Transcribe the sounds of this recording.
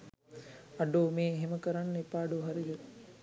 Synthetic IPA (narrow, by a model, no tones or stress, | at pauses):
ɐɖoːmeːɦeməkəɾanːepaːɖuɦɐɾidə